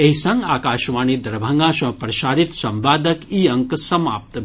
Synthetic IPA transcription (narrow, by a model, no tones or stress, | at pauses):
eisɐŋɡaːkaːʃʋaːniːd̪ɐɾbʱɐŋɡaːʃɐ̃pɾɐʃaːɾit̪sɐ̃mʋaːd̪ɐkiːɐŋksɐmaːp̚t̪